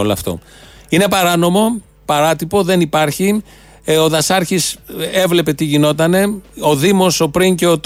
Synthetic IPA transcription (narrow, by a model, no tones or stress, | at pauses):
oloɐft̪o̞̰ | ine̞pɐɾɐno̞mo̞ | pɐɾɐt̪ipo̞ðe̞nipɐɾçi | o̞ðɐsɐɾçise̞vle̞pe̞t̪iʝino̞t̪̬ɐne̞o̞ðimo̞so̞pɾiɲce̞ot̪